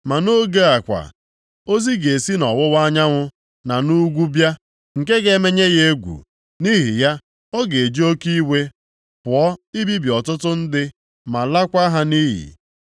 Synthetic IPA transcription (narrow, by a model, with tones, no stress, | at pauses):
ma˨no˦ɡe˦a˨kʷa̰˨ | o˦zi˦ɡe˨si˦nɔ˨wʊ˦wa˦ɲa˦ŋʷʊ˦ | na˨nu˦ɡʷu˦bja˦ | ŋ̩˨ke˦ɡe˦me˦ɲe˦ɣe˦e˦ɡʷṵ˨ | ni˦ɦi˨ja˦ | ɔ˦ɡe˨d͡ʒi˦o˦ki˦we˦ | pʊ˨ɔ˦i˦bi˦bi˨ɔ˨tʊ˦tʊ˦n̩˦dɪ˦ | ma˨la˦kʷa˦ɦa˦ni˦ɦḭ˨